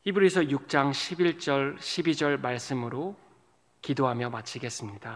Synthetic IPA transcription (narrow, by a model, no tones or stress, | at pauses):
hibɯɾisʰʌjuk̚t͡ɕ͈aŋɕʰibiɭt͡ɕ͈ʌɭɕʰibid͡ʑʌɭmaɭs͈ɯmɯɾo | kidoɦamjʌmat͡ɕʰiɡe̞s͈ɯmɲida